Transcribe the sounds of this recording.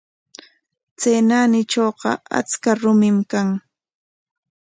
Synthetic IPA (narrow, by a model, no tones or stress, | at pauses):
t͡seːnanɪt͡ʃoːɢɑ̰a̰t͡skaɾʊmɪmkaŋ